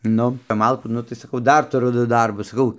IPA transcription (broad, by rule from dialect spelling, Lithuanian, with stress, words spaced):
ˈnʊ kɐp ˈmɐlˠkuː ˈnʊ tɐɪ sɐˈkɐʊ ˈdɐr tʊˈrʊ ˈdʊ ˈdɐrbʊs sɐˈkɐʊ